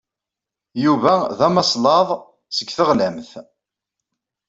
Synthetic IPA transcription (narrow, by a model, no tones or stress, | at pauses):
juvæðæmɑsˤlɑðˤ | səɡθəʁlæmθ